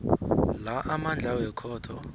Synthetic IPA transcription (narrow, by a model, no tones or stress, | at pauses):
laʔamand͡ɮʱawɛkʰɔːtʰɔ